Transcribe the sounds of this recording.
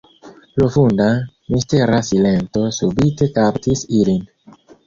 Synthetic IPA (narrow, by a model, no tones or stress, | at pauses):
lofunda | misteɾasile̞nto̞subite̞kaptisilin